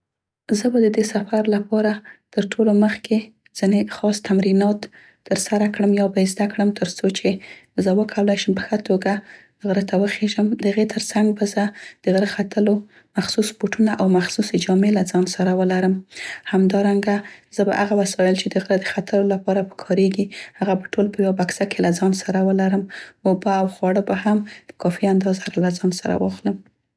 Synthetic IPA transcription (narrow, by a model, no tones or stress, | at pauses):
zəbad̪əd̪esafaɾlapɑɾat̪əɾʈʰoloməxke | z̥ɪnexɑst̪amɾinɑt̪ː | əɾsaɾakɽəmjɑbazd̪akɽəmt̪ʰəɾt͡sot͡ʃezəwəkʰawlajʃəmpə̥xət̪ʰoɡa | ɣɾət̪ʰawəxeʒəmd̪əhaɣet̪ʰəɾt͡saŋɡ̚bazəd̪̥əɣɾəxat̪əlo | maxsuspoʈunaʔawmaxsused͡ʒɑmelad͡zɑnsaɾawəlaɾəmhamd̪ɑɾaŋɡazəba̰ʔaɣawasɑjɪlt͡ʃed̪əɣɾəd̪əxat̪əlolapɑɾapəkʰɑɾeɡihaɣabaʈolpəjawabaksakʰelad͡zɑnsaɾawəlaɾəmobaawxwɑɽəbahamd̪̥ə̥kɑfiand̪ɑzaɾalad͡zɑnsaɾa̰wɑxləm